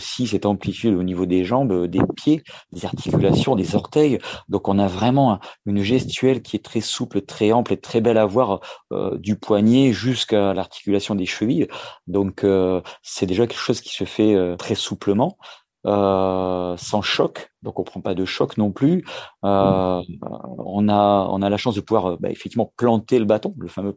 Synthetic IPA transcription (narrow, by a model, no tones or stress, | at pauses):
osis̬ɛt̪ɑ̃plit̪yd̪onivod̪eʒɑ̃bd̪epjed̪̥ezaʁt̪ʰi̥kʲylasjɔ̃d̪ezɔʁt̪ɛjd̪ɔ̃kɔ̃navʁɛmɑ̃ɛ̃ynʒɛst̪ɥɛlkʲiɛt̪χɛsuplət̪χɛɑ̃plet̪χɛbɛlavwaʁø̰d̪ypwaɲeʒyskalaʁt̪ʰi̥kʲylasjɔ̃d̪eʃəvild̪ɔ̃kʰøsɛd̪eʒakʲɛlkə̥ʃozkʲi̥səfɛøt̪χɛsupləmɑ̃ | ø | sɑ̃ʃɔkd̪ɔ̃kɔ̃pχɑ̃pad̪əʃɔknɔ̃plyø | ɔ̰̃naɔ̰̃nalaʃɑ̃sd̪əpuvwaʁøba̰ḛfɛk̚t̪ivmɑ̃plɑ̃t̪eləbat̪ɔ̃ləfamø